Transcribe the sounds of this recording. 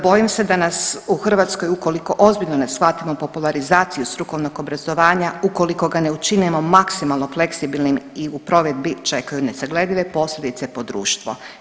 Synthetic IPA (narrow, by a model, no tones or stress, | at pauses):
bo̞jimsed̪anasuxr̩ʋaːt̪skojuko̞liko̞ʔo̞zbiʎnone̞sxat̪imopo̞pulˠaɾizaːt̪sijust̪ɾuko̞ʋno̞ɡo̞bɾazo̞ʋaːɲauko̞liko̞ɡaneut͡ʃinemo̞maksimalˠno̞fle̞ksibilnimiupɾo̞ʋed̪̚bit͡ʃe̞kajune̞saɡle̞d̪ʲiʋe̞po̞slʎʲed̪it̪sepo̞d̪ɾṵːʃt̪ʋo̰